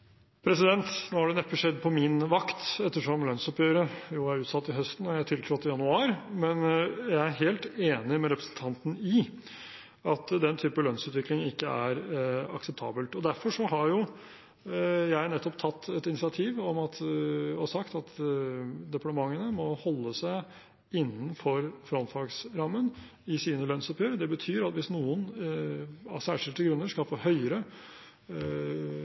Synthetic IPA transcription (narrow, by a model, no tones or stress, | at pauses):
pʰɾɛsɪd̪ɛnt̪noːhɑɖɛnɛpːəʂɛd̪ːpʰɔmɪnʋɑkt̪ɛt̪ːəʂɔmlœnsɔpjøːɾəjʊːæɾʉːt̪sɑt̪ːɪɦœst̪n̩ɔjæɪt̪ʰɪlt̪ʰɾɔt̪ːɪjɑnʉɑːɾmɛnjæɪæɾɦeːlt̪eːnɪmɛɾɛpɾəsən̩t̪ʰɑnt̪n̩ɪ | ɑt̪d̪ɛnt̪ʰyːpəlœnsʉːt̪ʋɪklɪŋɪkːəæɾɑ̰ksɛp̚t̪ʰɑ̰ːbəlt̪ɔd̪æɾfɔʂɔɦɑɾjʊ | jæɪnɛt̪ːɔpt̪ʰɑt̪ːɛt̪ɪnɪsɪɑt̪ʰiːʋɔmɑt̪ɔsɑkt̪ɑt̪ | d̪ɛpɑʈ̪əmɑŋːənəmɔhɔlːəsæɪ | ɪnːnfɔɾfɾɔnt̪fɑɡsɾɑmːən | ɪsiːnəlœnsɔpjøːɾəd̪ɛbət̪ʰyːɾɑt̪ʋɪsnuːən | sæːʂɪlt̪əɡɾʉnːəʂkɑlfoːhœʏəɾə